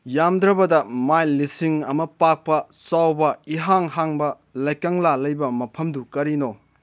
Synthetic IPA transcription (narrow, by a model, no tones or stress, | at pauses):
jamdɾɐbɐdɐmajlisiŋɐmɐpak̚pɐ | sawbɐiɦaŋhaŋbɐ | lajkɐŋlalɐjbɐmɐpʰɐmdukɐɾino